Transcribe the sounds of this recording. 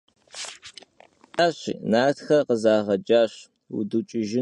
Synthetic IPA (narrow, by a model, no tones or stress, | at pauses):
aːɕḭnaːrtxɐrqəzaːʁɐd͡ʒaːɕ | ṵdut͡ʃʼɪʒɪ